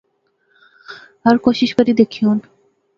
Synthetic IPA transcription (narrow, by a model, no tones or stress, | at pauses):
aɾkoʃiʃkaɾid̪ekʰion